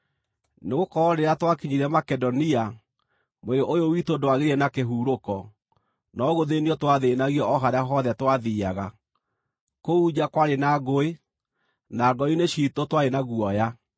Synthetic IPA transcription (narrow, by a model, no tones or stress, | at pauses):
neɣokɔɔɾeɾatwakiɲiɾɛmakɛdɔnia | moeoʔojowitodowaɣeɾɛnakeɦuːɾokɔ | nɔɣoðeniɔtwaðenaɣiɔʔɔɦaɾeaɦɔðɛtwaðiaɣa | koud͡ʒakwaɾenaɡoe | naɡɔineɕitotwaɾenaɣuɔja